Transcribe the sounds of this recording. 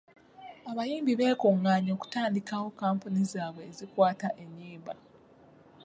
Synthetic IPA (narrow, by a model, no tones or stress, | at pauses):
aβajiːmbiβe̞ːkuŋːaːɲo̞ːku̥taːndikawo̞kaːmpunizaːβwe̞ːzikwaːtaʔe̞ɲːiːmba